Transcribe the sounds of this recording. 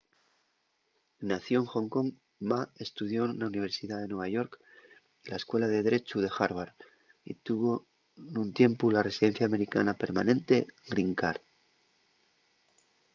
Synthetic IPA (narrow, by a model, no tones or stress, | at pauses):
naθjo̞ŋxo̞ŋko̞ŋ | mae̞st̪uð̞jo̞nauniβ̞e̞ɾsiðaðe̞nweβ̞aʝo̞ɾk | laeskwe̞lað̞e̞ðɾe̞t͡ʃuðe̞xaɾβaɾ | ḭt̪uβo | nunt̪je̞mpularesiðe̞n̟θjaːme̞ɾika̰nape̞ɾmanẽ̞nt̪e̞ɡɾiŋkaɾ